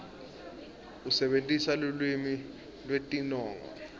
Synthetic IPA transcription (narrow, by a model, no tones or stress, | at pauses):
usɛɓentʼisalulwimi | lwetʼinɔːŋɔ̰